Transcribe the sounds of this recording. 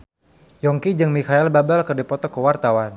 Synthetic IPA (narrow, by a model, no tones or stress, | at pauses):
jɔŋkid͡ʒɨŋmikaɛlbabɛlkərdipɔt̪ɔkəwart̪awan